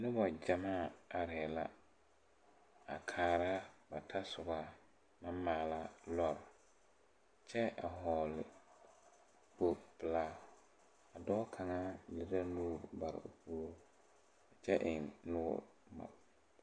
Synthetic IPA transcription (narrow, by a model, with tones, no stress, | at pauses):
nʊ˦bɔ˨d͡ʒa˨maː˦˨a˨ɾɪ˨ɛ˨la̰˦ | a̰˨kʰaː˨ɾa˦ba˨tʰa˦sʊ˨ɡa˨ | ma˦mːaː˨la˦lɔ˦ɾ | t͡ʃɛ˦a̰˨ɦɔː˨lɪ˨ | bo˨b̥ɪ˨laː˨˦ | a˨dɔː˦kʰa˨ŋa˦lɪ˨ɾa˦nuː˦˨ba˨ɾɪ̰˨o̰˨pʰu˨˦ɾo˦ | a˨t͡ʃɛ˦ʔɪ˨ŋnʊ˦bɔ̰˨ | ma̰˨